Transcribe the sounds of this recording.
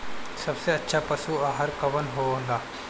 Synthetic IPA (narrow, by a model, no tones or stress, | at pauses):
sɐbseɐtːʃʰapɐsuaːɦəɾkɐʋənɦoːɦõːnd̪aː